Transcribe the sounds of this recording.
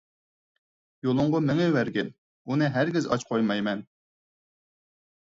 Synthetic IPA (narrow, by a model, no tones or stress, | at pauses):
jolˠʊɴʁɔmɪŋɛwæɾɡʲɛn | unɨɦæɾɡʲɪzɑ̰t͡ʃqʰojmɑjmɛn